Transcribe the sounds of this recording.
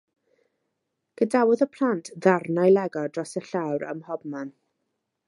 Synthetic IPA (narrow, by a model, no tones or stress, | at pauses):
ɡ̥ədawʊðəpʰl̥ˠantʰðarnajlˠɛɡɔdrɔsəɬawɾə̰mhɔbman